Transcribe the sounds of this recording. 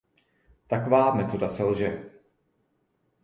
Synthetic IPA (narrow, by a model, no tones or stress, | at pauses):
t̪akovaːmɛt̪o̞dasɛlʒɛ